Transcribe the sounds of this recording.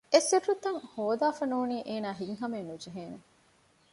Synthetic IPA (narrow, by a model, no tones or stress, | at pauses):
esiɾɾut̪ːɐŋhoːd̪aːfɐnuːniːʔeːnaːɦiŋɦɐmennud͡ʒeɦeːne